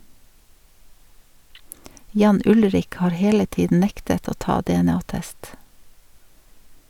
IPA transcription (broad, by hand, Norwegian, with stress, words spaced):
ˈjɑːn ˈʊlɾɪk ˈhɑːɾ ˈheːlə ˈtiːdn̩ ˈnɛktət ˈoː ˈtɑː dɛɛˈnɑːˌtɛst